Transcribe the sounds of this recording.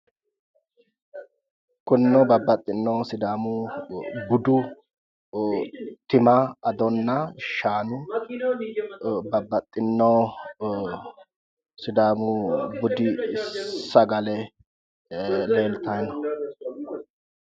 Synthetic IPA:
kʼʊnːɔbɐbɐt̪ʼːɪnːɔːsɪd̪aːmʊ | bʊd̪ʊ | t̪ɪmɐɐd̪ɔnːɐʃaːnʊ | bɐbːɐt̪ʼːɪnːɔ | sɪd̪aːmʊbʊd̪ɪ | ɐɡɐlɛ | leːlt̪ɐjnɐ

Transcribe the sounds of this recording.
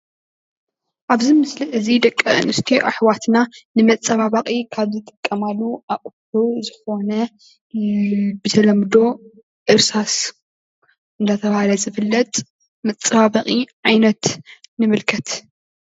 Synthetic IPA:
ʔaβzimɨslɨʔɨzid̪ɐkʼːɐ̰nɨst̪ʰiʔaħwat̪nanɨmɐt͡sʼɐβaβaχʼikʰaβzɨt̪ʼɨ̥kʼːɐmalːuʔaʔʼ | uzɨxo̞nɐ | bɨt̪ʰɐlɐmd̪o̞ | ʔɨɾsas | ʔɨnd̪at̪ʰɐβahalɐzɨfɨlːɐt̪ʼ | mɐt͡sʼːɐβaβaqʼiʕajnɐt̪nɨmɨlkʰɐt̪

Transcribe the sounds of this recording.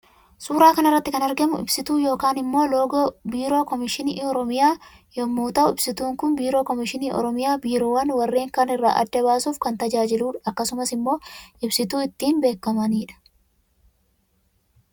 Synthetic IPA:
suːɾaːkɐnɪrːɐt̪ːɪkɐnɐɾɡɛmʊ̰ɪ̰bsɪt̪uːjo̞ːkaːnɪmːo̞ːlo̞ːɡoːbiːɾo̞ːkɔmɪʃɪniːɔɾɔmɪjaː | jomːuːt̪ɐʔʊɪbsɪt̪uːŋkʊnbiːɾo̞ːkɔmɪʃɪniːʔɔ̰ɾɔmɪjaːbiːɾoːwɐnwɐrːeːŋkaːnɪrːa̰ːʔɐ̰d̪ːɐβaːsuːfkɐnt̪ɐd͡ʒaːd͡ʒɪluːᶑɐkːɐsʊmɐsɪmːo̞ːʔɪbsɪt̪uːɪt̪ːiːnbe̞ːkːɐmɐniːᶑɐ̥

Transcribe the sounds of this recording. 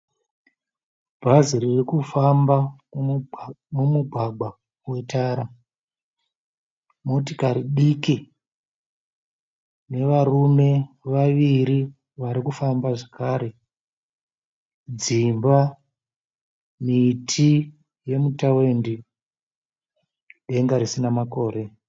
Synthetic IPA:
bʱaziririkufamba | mumuɡʱaɡ͡bʱa | we̞taːɾa | mo̞tikaɾiɗiki | ne̞ʋarume̞ʋaʋiɾi | ʋaɾikufambaʐakaːɾe | d͡zimba | mitʰi | je̞mutawe̞ndi | ɗe̞ŋɡaɾisinamako̞ːɾe̞

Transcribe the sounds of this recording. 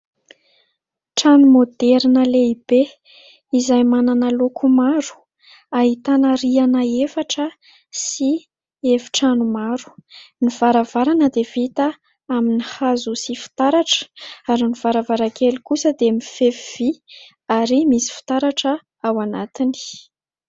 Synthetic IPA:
ʈ͡ʂanumod̪ɛɾnəleib̥e | izajmananalokʰumaɾu̥ | aɦit̪anəɾianəefaʈ͡ʂə | si | evi̥ʈ͡ʂanumaɾu̥niv̥aɾavaɾanəd̪ev̥it̪ə | aminihazusifi̥t̪aɾaʈ͡ʂə̥aɾiniv̥aɾavaɾakelikusəd̪emifeviv̥i | aɾimisi̥fi̥t̪aɾaʈ͡ʂə | awanat̪ini̥

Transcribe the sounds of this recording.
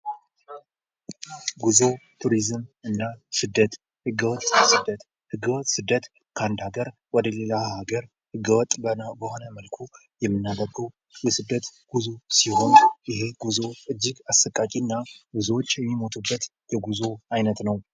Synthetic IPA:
ɡuzot̪ʰuɾizɨmɨnːasɨd̪ːət̪ | hɨɡːəwɔt̪ʼːsɨd̪ːət̪ | hɨɡːəwɔt̪ʼsɨd̪ːət̪ | kʰand̪aɡəɾ | wɔd̪əlelahaɡəɾ | hɨɡːəwɔt̪ʼbənbəho̞nəməlkʰu | jɛmːɨnːad̪əɡəw | jɛsɨd̪ːət̪ɡ̥uzusiho̞njɪɦe̞ɡuzo̞ɨd͡ʒːɪɡasːəkʼakʼinːaɡuzwot͡ʃːjɛmːimo̞t̪ʰubːət̪ | jɛɡuzo̞ajnət̪nəw

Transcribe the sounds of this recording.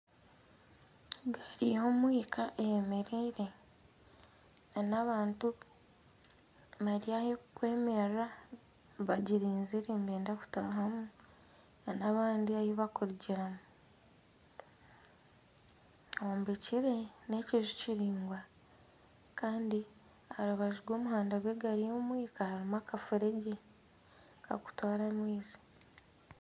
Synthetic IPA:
ɡaɾijoːmwiːkʰaʔejemeɾeɾe̞ | anaβaːntu | βaɾijajekwe̞ːmera | βaɟiɾiːnziɾembeːndaku̥ta̰ːɦamu | anaβaːndiajoβakuɾiɟiɾamu | awoːmbeciɾe̞ne̞ːciʒuciɾiːŋɡwa | kaːndi | aɾuβaʒiɡwo̞ːmuɦaːndaɡwe̞ɡaɾijo̞ːmwiːkahaɾimakafuɾeɟe | ka̰ku̥twaːɾamwiːzi̥

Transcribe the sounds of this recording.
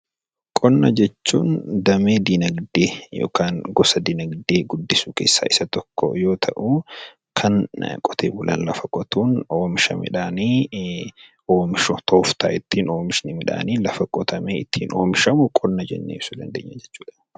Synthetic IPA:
kʼɔnːɐd͡ʒɛt͡ʃːṵːnd̪ɐmeːd̪inɐɡd̪eːjo̰ːkaːŋɡɔsɐd̪ɪnɐɡd̪eːɡʊd̪ːɪsukḛːsːa̰ːɪsɐt̪ɔkːɔ̰jo̞ːt̪ʰɐʔu | kʰɐnkʼɔt̪ʰeːbʊlʔɐ̰nlɐfɐkʼɔt̪uːnoːmɪʃɐ̰mɪ̰ᶑaːniː | o̞ːmɪʃɔt̪ʰo̞ːft̪aːʔɪt̪ːiːno̞ːmɪʃnɪmɪᶑa̰ːniːlɐfɐkʼɔt̪ʰɐmeːɪt̪ʰːiːnoːmɪʃɐmʊkʼɔnːɐd͡ʒɛ̰nːḛːfsʊd̪ɐ̰nd̪ḛːɲːɐd͡ʒɛt͡ʃːuːᶑɐ̥

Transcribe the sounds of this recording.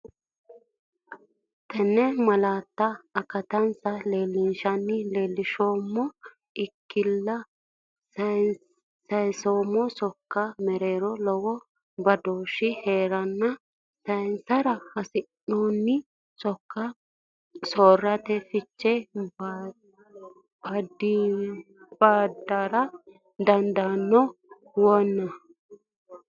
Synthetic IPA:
t̪ɛnːɛmɐlaːt̪ːɐːkɐt̪ɐnsɐleːlːɪnʃɐnːɪleːlːɪʃoːmːɔ | ɪkːɪlːɐ | sɐjsoːmːɔsɔkːɐmɛɾeːɾɔlɔwɔ | bɐd̪oːʃɪheːɾɐnːɐ | sɐjnsɐɾɐhɐsɪnːoːnːɪ | sɔkːɐ | soːrɐt̪ɛfɪt͡ʃːɛb | bɐd̪ːi | b̥aːd̪aɾɐ | d̪ɐnd̪ɐnːɔ | wɔnːɐ

